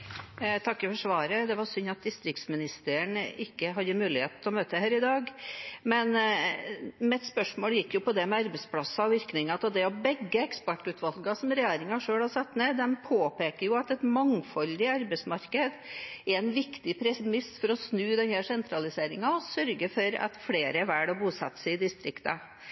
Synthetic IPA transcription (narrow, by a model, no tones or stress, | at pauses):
t̪ʰɑkːɪfɔʂʋɑːɾəd̪ɛʋɑɾsʏnːɑt̪̚d̪ɪst̪ɾɪkt̪smɪnɪst̪əɾəɳɪkːəɦɑd̪ːəmʉːlɪheːt̪nʰɔmøːt̪əhæːɾɪd̪ɑːɡmɛn | mɛɛt̪spœʂmoːljɪkːjʊpɔd̪ɛmɛɑɾbɛɪspʰlɑsɑɔʋɪɾknɪŋɑt̪ɔd̪ɛɔbɛɡːəɛkspæʈːʉt̪ʰʋɑlɡɑsɔmɾɛjeːɾɪŋɑʂøːlhɑsɛt̪ːneːd̪ɛnpʰoːpeːkəɾjʊɑt̪ɛt̪mɑŋfɔld̪ɪɑɾbɛɪsmɑɾkəd̪ɛɾɛnʋɪkt̪ɪpʰɾɛsmɪsfɔɾɔsnʉːd̪ɛnhæɾʂɛnt̪ʰɾɑlɪseːɾɪŋɑɔsœɾɡəfɔɾɑ̰t̪fleːɾəʋæːɖɔbuːsɑ̰t̪ːsɛɪd̪ɪst̪ɾɪkt̪ə